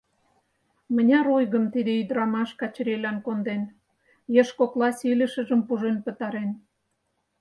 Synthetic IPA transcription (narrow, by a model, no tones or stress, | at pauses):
mə̆nʲɑɾojɣə̆mt̪id̪eyd̪ɾɑmɑʃkɑt͡ɕɾelɑnkond̪en | jeʃkoklɑsʲilʲə̆ʃə̆ʒə̆mpuʒenpə̆t̪ɑɾen